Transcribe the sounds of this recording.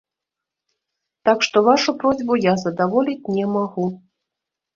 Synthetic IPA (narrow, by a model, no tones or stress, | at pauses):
t̪akʂt̪ɔvaʂupɾɔzʲbujazɐd̪avɔlʲit͡sʲnʲɛmaɣu